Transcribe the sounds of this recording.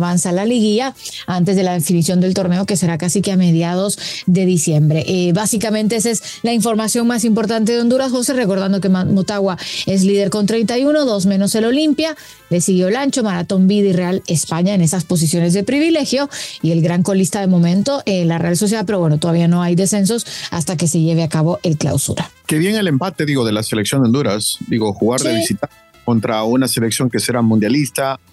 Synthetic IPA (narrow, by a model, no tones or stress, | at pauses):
βansalaliɣia | ant̪e̞zðe̞laðe̞finisjo̞nd̪e̞lt̪o̞ɾne̞oke̞se̞ɾakasikeame̞ð̞jað̞o̞sðe̞ðisje̞mbɾe̞ʔβasikament̪ees̬es | laiɱfo̞ɾmasjo̞ŋmasimpo̞ɾt̪ant̪̬e̞ðeo̞nd̪uɾazɣo̞sere̞ko̞ɾð̞and̪o̞ke̞mot̪aɣwae̞zlið̞e̞ɾko̞nt̪ɾe̞jnt̪ajuno̞ðo̞zmẽno̞se̞lo̞limpja | le̞siɣjo̞elant͡ʃo̞maɾat̪o̞mbiðire̞ale̞spaɲae̞ne̞saspo̞s̬is̬jo̞ne̞zðepɾiβ̞ile̞xjo̞ie̞lɣɾaŋko̞list̪aðemo̞mẽ̞nt̪o̞ʔenlarealso̞s̬jalpe̞ɾowe̞not̪oðaβiano̞ajðe̞se̞ns̬o̞sa̰st̪ak̬e̞se̞ʝe̞βeakaβo̞ʔe̞lkla̰wsṵɾakeβje̞ŋe̞le̞mpat̪e̞ðiɣo̞ðe̞lase̞leksjod̪eo̞nd̪uɾasd̪iɣo̞xuɣaɾðeβisit̪a | ko̞nt̪ɾaunase̞le̞ksjo̞ŋke̞seɾamũnd̪jalist̪a